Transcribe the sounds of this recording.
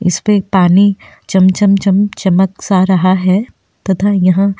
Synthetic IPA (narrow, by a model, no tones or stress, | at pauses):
ɪ̰spepaːni | t͡ʃɐmt͡ʃɐmt͡ʃɐmt͡ʃɐməksaɾɐɦaɦɛː | t̪ɐt̪ʰajɐɦã